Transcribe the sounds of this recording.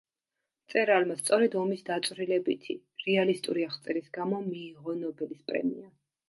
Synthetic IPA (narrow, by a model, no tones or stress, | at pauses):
t̪sʼɛɾalmast̪sʼɔɾɛd̪ɔmisd̪at̪sʼvɾilɛbit̪ʰi | ɾɛalist̪ʼuɾiaχt̪sʼɛɾisɡamɔmiːʁɔnɔbɛlispʼɾɛ̰mḭa